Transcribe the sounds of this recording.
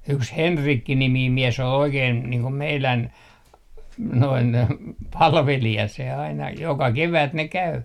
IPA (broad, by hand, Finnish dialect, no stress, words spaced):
yks henrikːi nimiːm mies ol oikein niːŋ ko meilæn noin pɑlʋelijɑ se ɑinɑ jokɑ keʋæt ne kæy